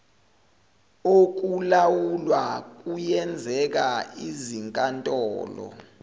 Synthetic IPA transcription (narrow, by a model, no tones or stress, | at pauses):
ok̬ulawulwak̬ʼujɛnd͡zʱɛk̬aiziŋkʼantʼɔːlɔ̰